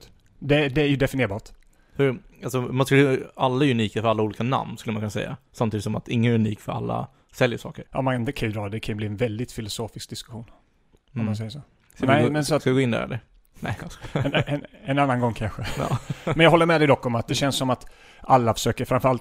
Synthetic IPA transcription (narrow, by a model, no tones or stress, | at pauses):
d̪ɛd̪ɛæɾjɵd̪ɛfɪnɪeːɾbɑːʈ | fœɾalsɔmanskɵlːalːaæɾʉniːkafœɾalːauːliːkana̰mnskɵlːəmankʰɵnasɛ̰jːa̰samt̪iːd̪ɪt̪sɔmat̪ɪŋːənæɾʉniːkfœɾa̰lːa̰ | sɛljəʂɑ̰ːkəɾjɑ̰mankʰanɪnt̪əkʰanjʏd̪ɾɑːɾd̪ɛkʰanjʏbliːɛnvɛld̪ɪt̪fɪlʊsoːfɪsk̚d̪ɪskɵɧuːn | ɔmmːansɛjːəʂoː | nɛmɛnsat̪skaɛɡoːɪnd̪æ̰ɾɛ̰lə | nɛ | nɛnanːanɡɔŋːkʰanɧə̰mɛnjɑɡɦɔlːəɾmɛd̪ɛjd̪ɔkːɔmat̪̚d̪ɛɕɛnsːɔmat̪ | ʔalːafœ̥ʂøːkəɾfɾamfœɾalt̪